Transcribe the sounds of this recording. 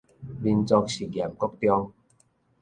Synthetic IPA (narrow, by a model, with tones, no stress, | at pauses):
bi˧nt͡sɔ˧k̚si˨˩kja˨˩mkɔ˦˩k̚t̪jɔ˧ŋ